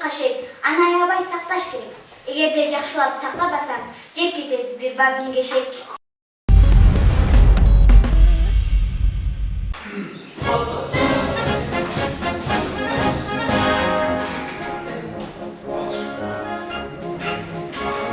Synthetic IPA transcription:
qɑʃekɑnɯɑjˠβɑjsɑq̚t̪ɑʃke̞ɾeke̞ɡe̞ɾd̪ed͡ʒɑqʃɯlˠɑpsɑq̚t̪ɑbɑsɑmd͡ʒe̞ɾket̪ebiɾbamniŋɡeʃek

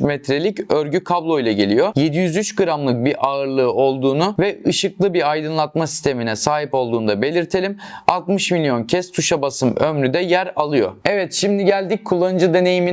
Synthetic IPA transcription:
mɛt̪ɾelʲicøɾɟykʰablˠo̞jlˠaɟe̞lʲijo̞je̞d̪ijyzyt͡ʃɡɯɾamlˠɯk̚biɾʔaɯɾlˠɯːo̞lˠd̪uːnuvɛɯʃɯklˠɯbiɾajd̪ɯnlˠat̪masist̪ʰe̞minɛsaːɦipo̞lˠd̪uːnd̪abe̞lʲiɾt̪ʰe̞lʲimalˠt̪mɯʃmilʲjo̞ncʰɛst̪ʰuʃabasɯmømɾyd̪ɛjæɾalˠɯjo̞̰ɛvɛt̪ʃimd̪iɟælʲd̪ic̚kʰːulˠːanɯd͡ʒɯd̪e̞ne̞jimi

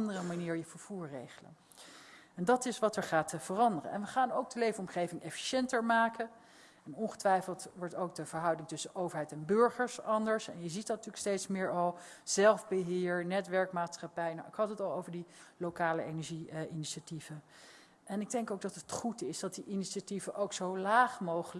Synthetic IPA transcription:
ndərəmaniːɹjəv̥əɹv̥uːɹrejχələ̰n | ɛndɑtɪsʋɑtʋəχaːtəv̥ərɑndərə̰nɛ̰nʋəχaːnowɡ̚dəlejvənɔmχejvɪŋɛfi̥ʃɛntəɹmaːkə | ɛnɔnχə̥tʋɛjfəlˠtʋɔɹtowɡ̚dəv̥əɹɦɑwdɪŋtɵsənʔowvəɹɦɛjtɛnbɵɹχəɹsɑndəɹsɛ̰njəzitdɑtyːlkstejtsmɪːɹɑlˠ | z̥ɛlˠvbəɦɪːɹnɛtʋɛɹkmaːtsχɑpɛjna̰ɪkɦɑtətɑlˠowvəɹdilowkaːlə̰ejnɛɹʒiʔɪniʃativ̥ə | ʔɛnɪɡ̚dɛŋkowk̚dɑtətχutɪsdɑt̚diʔɪniʃativəʔowksowlaːχmowχəl

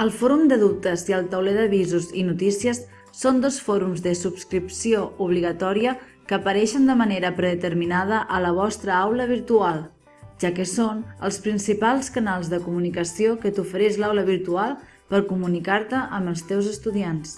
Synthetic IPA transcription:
əlˠfɔɾumd̪əðup̚t̪əziəlˠt̪əwleðəβizuzinut̪isiəsː | ond̪osfɔɾumzðəsupskɾipsiouβ̞liɣ̞ət̪ɔɾiə | kəːpəɾɛʃənd̪əməneɾəpɾəðət̪əɾminað̞əʔələβ̞ɔst̪ɾəawləβ̞iɾt̪ualˠ | ʒakəsonəlˠspɾinsipalˠskənalˠzðəkumunikəsiokət̪ufəɾɛʃlawləβiɾt̪ualˠ | pəɾkumunikaɾt̪əʔəməlˠst̪ɛwzəst̪uðians

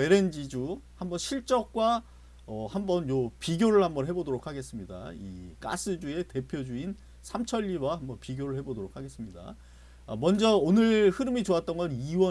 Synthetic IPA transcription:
e̞ɾe̞nd͡ʑid͡ʑuhambʌnɕʰiɭt͡ɕ͈ʌk̚k͈wa | ʌhambʌnjopiɡjoɾɯɭhambʌnɦe̞bodoɾokʰaɡe̞s͈ɯmɲida̰ḭk͈a̰s͈ʰɯd͡ʑue̞te̞pʰjod͡ʑuin | sʰamt͡ɕʰʌʎːiwahambʌnpiɡjoɾɯɭhebodoɾok̚ʰaɡe̞s͈ɯmɲida̰ | mʌnd͡ʑʌonɯɭhɯɾɯmit͡ɕoat͈̚ʌnɡʌniwʌ

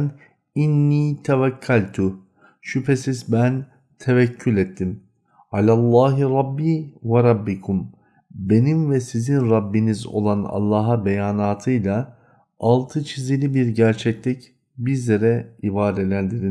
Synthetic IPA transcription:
n | inːiːt̪ʰɛvacʰːælʲt̪ʰʊ | ʃypʰesizbæn | t̪ʰevɛcʰːylʲet̪ʰːim | alʲalˠːaːɦiɾˤɑbːiːvaɾˤɑbːikʰum | be̞nimvɛsizinɾɑbːinizo̞̰lˠanɑ̰lˠːɑːɦabejaːnaːt̪ʰɯjlˠa | ʔalˠt̪ʰɯt͡ʃʰizilʲibiɾɟæɾt͡ʃʰɛclʲic | biɾlʲeɾɛibaːd̪elʲænd̪iɾi

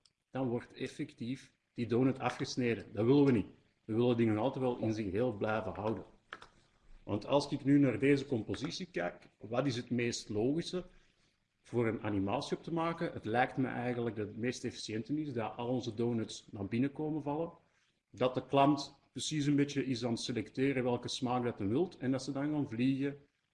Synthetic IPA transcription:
d̥ɑnʋɔrtɛfɛktif | d̥idoːnətʰɑfxəsneːdəndɑʋɪləʋənit | ʋəʋɪlədɪŋənɑlˠtətʋɛlˠʔɪ̰nzɪxɦeːlˠblɛjvəɦɑwdən | ʋɑ̰ntɑ̰lˠsɪkɪknynaːrdeːzəkɔmpozisikɛjkʋɑtɪsɦətmeːstloːɣisə | v̥oːɾəna̰nimaːsiɔp̚təmaːkəətlɛjktmɛ̰ʔɛjɣənləɡ̚dəmeːstɛfi̥sjɛntənɪzdɑʔɑlˠɔnzədoːnətsnaːrbɪnəkoːmənvɑlˠən | dɑtəklɑmtprəsis̬ənbetjəʔɪsaːntəselɛkteːɾəʋɛlˠkəsmaːk̚dɑtənʋɪlˠtɛndɑtsədɑnkanvliɣə

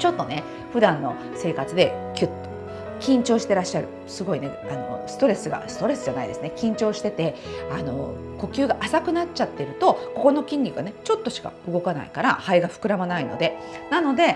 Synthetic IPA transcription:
t͡ɕo̞t̪ːo̞ne̞ | ɸɯ̟d̪ãnːo̞ | se̞ːkat͡sɨd̪e̞kʲɯt̪ːo̥ | kʲĩɲt͡ɕo̞ːɕi̥t̪e̞ɾaɕːaɾɯ̟ | sɨɡo̞ine̞ano̞̰sɨ̥t̪o̞ɾe̞sɨɡa̰sɨ̥t̪o̞ɾe̞sɨ̥d͡ʑanaid̪e̞sɨne̞kʲĩɲ̟t͡ɕo̞ːɕi̥t̪e̞t̪e̞ano̞̰ko̞kʲɨ̟ːɡaʔasakɯ̟nat͡ɕat̪ːe̞ɾɯ̟t̪o̞ko̞ko̞no̞kʲĩɲ̟ːʲikɯ̟ɡanet͡ɕo̞t̪ːo̞ɕi̥ka̰ɯ̟ɡo̞kana̰ḭkaɾahaiɡaɸɯ̟̥kɯ̟ɾamanaino̞̰d̪e̞nano̞d̪e̞

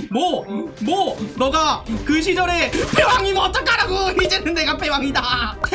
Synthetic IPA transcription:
mwʌmwʌnʌɡakɯɕ̬ʰid͡ʑʌɾe̞pʰe̞waŋimʌt͈ʌk͈aɾaɡoid͡ʑe̞nɯnːe̞ɡapʰe̞waŋida

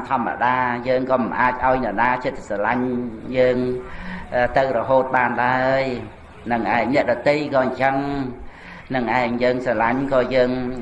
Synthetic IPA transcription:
mt̪ʰŏəmːa̰ɗaːjəːŋkɑːmɨnʔaːc̚ʔaɔjnɨ̆naːt͡ɕət̪salaɲjəːŋʔt̪ɨwrɔɦoːt̪̚ɓaːnlaəj | nɨŋʔaɛŋnɛ̆əʔɗɑt̪əjkɑːɲt͡ɕəŋ | nɨŋʔaɛŋjəːŋsalaɲkɑːjəːŋ

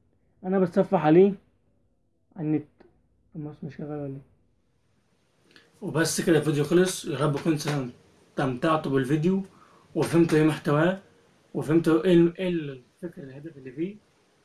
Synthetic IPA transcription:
ʔænæbæt̪sˤæfːɑħʕaliː | ʕanːet̪ | msmɪʃkæɣælwælːi | webæsːekɾævid̪juxɑlesˤjɑɾˤɑbːeqensææ | t̪æmt̪ɑʕt̪ubɪlvid̪ju | wefhemt̪æʔeːmoħt̪æwæː | wefhemt̪ʔelʔelfekɾælhæd̪æfelːiːfiː

